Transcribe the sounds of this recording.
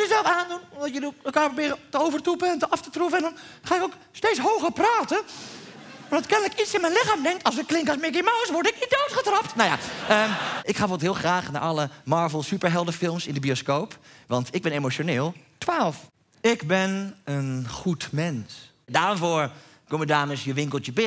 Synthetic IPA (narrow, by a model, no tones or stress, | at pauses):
jəzɛlˠfaːndunɔmdɔtjəlikɛlˠkaːprobɪːɾətəowvərtupəɛntəɑftətrufəɛndɔnχaːɪkowk | stejtt͡ssɦowχəɹpraːtə | ɔmdɔtkɛndələkitsɪnmɛjnlɪxaːmdɛŋk̚tɑlsəklɪŋkɔsmɪk̬imawsʋɔɹrdɪknit̚dowtχətrɑp̚tnawja̰əʔɪkχaːʋɔtɦɪːlˠχraːχna̰ʔɑləmɑːɹvəlˠsypəɹɦɛlˠdəfɪlˠmsɪndəbioskowpʋɑntʰɪɡ̚bɛnemot͡ʃonɪːlˠtʋaːlˠf | ɪkbɪnənχutmɛns | daːnfoːɹ | komədaːməsjəʋɪŋkəl̩ˠtjəbɪ